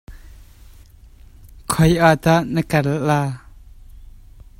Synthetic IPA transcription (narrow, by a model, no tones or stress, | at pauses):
kʰɔjʔat̪aʔnəkɐllaː